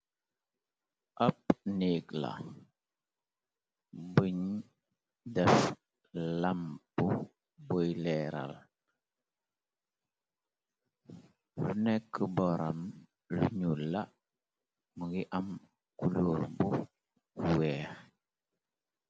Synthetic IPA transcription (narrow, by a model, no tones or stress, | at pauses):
ʔap̚nikla̰ | bəɲ | dɛf | lambu | bojlɛɾa̰l | lunɛkːəbɔɾam | lṵɲulːa | məɡiʔam | kuluɾbu | wɛːx